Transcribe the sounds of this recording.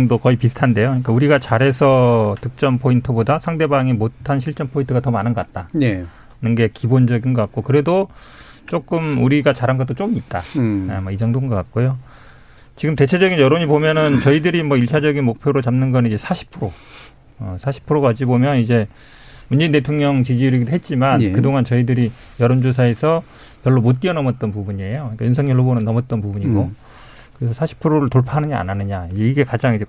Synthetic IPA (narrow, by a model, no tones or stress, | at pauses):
ŋdokʌipisʰɯ̥tʰande̞joɲik͈auɾiɡat͡ɕaɾɦe̞sʰʌtɯk̚t͡ɕ͈ʌmpʰointʰɯbodasʰaŋde̞baŋimotʰanɕ̬ʰiɭt͡ɕ͈ʌnpʰointʰɯɡatʌmanɯnɡʌkat̚t͈aje | nɯnɡe̞kibond͡ʑʌɡinɡʌkat̚k͈okɯɾe̞do | t͡ɕ͈ok͈ɯmuɾiɡat͡ɕaɾanɡʌt͈ot͡ɕ͈oɯmit̚t͈aemʌid͡ʑʌŋdoŋɡʌk͈at̚k͈ojo | t͡ɕiɡɯmte̞t͡ɕʰed͡ʑʌɡinjʌɾoɲipomjʌnɯnt͡ɕʌidɯɾimwʌiɭt͡ɕʰad͡ʑʌɡinmok̚pʰjoɾot͡ɕamnɯnɡʌnid͡ʑe̞sʰaɕʰi̥pʰɯɾo | ʌsʰaɕʰi̥pʰɯɾoɡad͡ʑibomjʌnid͡ʑe̞ | mund͡ʑe̞inte̞tʰoŋɲʌŋt͡ɕid͡ʑiuɾjiɡidoɦet̚t͡ɕ͈imankɯdoŋant͡ɕʌidɯɾi | jʌɾond͡ʑosʰae̞sʰʌ | pjʌɭːomot̚k͈iʌnʌmʌt̚t͈ʌnpubuɲiejoɲik͈ajunsʰʌŋjʌɭːobonɯnːʌmʌt̚t͈ʌnpubuɲiɡo | kɯɾesʰʌsʰaɕʰi̥pʰɯɾoɾɯɭtoɭpʰaɦanɯɲaa̰nanɯɲaiɡe̞kad͡ʑaŋid͡ʑe̞